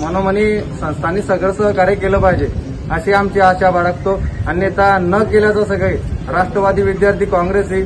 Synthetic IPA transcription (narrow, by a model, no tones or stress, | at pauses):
m̤ənoməniːsə̃st̪ʰaniːsəɡɭəsəɦkaɾekeləpaɦid͡ʑe | əɕeamt͡ɕeaɕaʋaɽəkt̪oaniːet̪anəkeljat͡sasəɡɭejɾaʂʈɾəʋad̪ʱiːʋid̪jaɾt̪ʰiːkɔ̃ŋɡɾesiː